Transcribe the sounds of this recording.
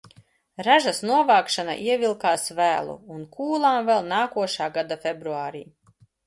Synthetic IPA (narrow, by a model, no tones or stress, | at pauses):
ɾaʒasnuɔvaːkʃana̰ʔiɛvʲilˠkaːsvæːlˠṵːnkʰuːlˠaːmvɛlˠnaːkuɔʃaːɡad̪afʲebɾuaːɾḭː